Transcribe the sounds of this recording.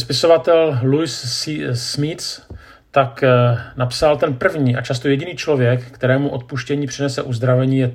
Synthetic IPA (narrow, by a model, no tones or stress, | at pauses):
spɪso̞vat̪ɛllujssmɪt̪s | t̪aknapsalt̪ɛnpr̩vɲiːʔat͡ʃast̪o̞jɛɟɪniːt͡ʃlo̞vjɛkːt̪ɛɾɛːmuʔot̪̚puʃcɛɲiːpr̥ɪnɛsɛ̰ʔuzd̪ɾavɛɲiːjɛ